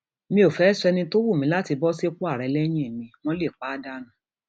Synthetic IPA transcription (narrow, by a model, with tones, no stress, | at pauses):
mĩ˦o˨fɛ˨˦sɛ˧nĩ˧to˦wu˦˨mĩ˧˦la˦ti˧bɔ˦se˦ku˦a˦˨ɾɛ˨˧˦lɛ˦j̃ĩ˦˨mĩ˧m̃ɔ̃˦le˦˨k͡pa˨˦da˦nã˨